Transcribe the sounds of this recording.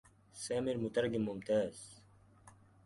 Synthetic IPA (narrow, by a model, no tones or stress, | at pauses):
saːmiɾmut̪ɐɾɡimumt̪aːz̥